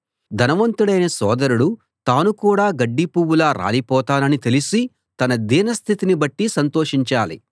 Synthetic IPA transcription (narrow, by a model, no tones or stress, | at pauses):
d̪ʱɐnɐʋɐnt̪uɽɐjnɐsɔːd̪ɐɾuɽu | t̪aːnukuːɽaːɡɐɖːipuːwulaːɾʔa̰ːlipɔːt̪aːnɐnit̪e̞lisi | t̪ɐnɐd̪iːnɐst̪ʰit̪inibɐʈːisɐnt̪oːʂiɲt͡ʃaːlḭ